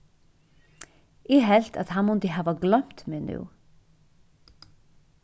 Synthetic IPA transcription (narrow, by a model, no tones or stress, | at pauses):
ɛɦɛl̥t̪a̰ðhanmʊnt̪ɪɦaːvaɡlœm̥t̪mɛːnṵː